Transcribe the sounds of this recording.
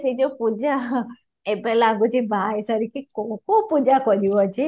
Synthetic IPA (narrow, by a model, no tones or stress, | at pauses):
sed͡ʒopud͡ʒa | ebɛlaɡud͡ʒebaesaɾikekokopud͡ʒakɔɾiʋɔt͡ʃʰe